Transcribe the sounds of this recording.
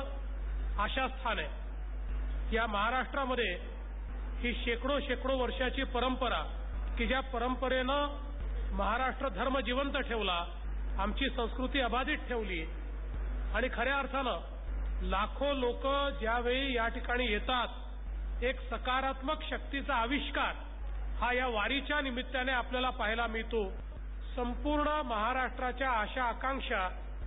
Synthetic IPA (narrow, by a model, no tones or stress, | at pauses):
aɕast̪ʰane | jaməɦaɾaʂʈɾaməd̪ʱːje | hiːɕekɽoɕekɽoʋəɾʂat͡ɕiːpəɾəmpəɾa | kid͡ʑjapəɾəmpəɾenə | məɦaɾaʂʈɾəd̪ʱəɾməd͡ʑiʋənt̪əʈʰeʋla | amt͡ɕiːsə̃w̃skɾut̪iːəbad̪iːt̪̚ʈʰeʋliː | aɽ̃ikʰəɾeəɾt̪ʰanə | lakʰolokəd͡ʑjaʋeɭiːjaʈikaɽ̃iːjet̪at̪̚ | eksəkaɾat̪məkɕək̚t̪it͡saəʋiɕkaɾ | hajaʋaɾit͡ɕjanimit̪ːjaneapljalapaɦilamiɭt̪o | səmpuɾɳəməɦaɾaʂʈɾat͡ɕjaːɕaːkãŋkʂa